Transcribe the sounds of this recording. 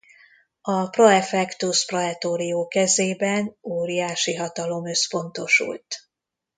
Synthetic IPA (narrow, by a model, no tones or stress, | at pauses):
ɒproɛfɛkt̪usproɦɛt̪oːɾioːkɛzeːbɛnoːɾijaːʃiɦɒt̪ɒlo̞mø̞spo̞nt̪o̞ʃṵlt̪